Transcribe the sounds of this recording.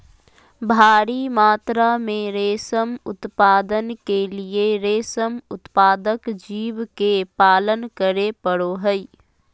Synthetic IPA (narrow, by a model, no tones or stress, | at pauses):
bʱaːɾimaːt̪ɾamẽɾeːsəmʊt̪paːd̪ənkelieɾeːsəmʊt̪paːd̪əkd͡ʒiːʋkepaːlənkəɾepəɽoɦɛi